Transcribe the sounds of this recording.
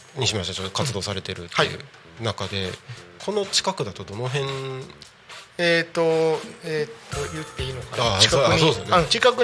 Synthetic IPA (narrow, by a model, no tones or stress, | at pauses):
ɲ̟iɕimaɕit̪at͡ɕo̞t̪ːo̞kat͡sɨd̪o̞ːsaɾe̞t̪e̞ɾɯ̟t̪ːaḭɯ̟̰ | nakad̪e̞̰kʰo̞no̞t͡ɕi̥kakɯ̟d̪at̪o̞d̪o̞no̞ɦẽ̞ŋ | et̪ːoet̪ːojɯt̪ːeinokaaikaasoːdesnant͡ɕikakɯ̟